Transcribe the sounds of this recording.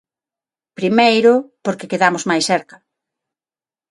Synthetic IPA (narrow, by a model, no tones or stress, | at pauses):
pɾimejɾʊpoɾkekeðamʊzmajsθɛɾkɐ